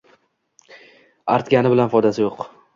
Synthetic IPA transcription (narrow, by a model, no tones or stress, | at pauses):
a̰ɾt̪ɡʲanɪbɪlanfɒd̪asɪjoq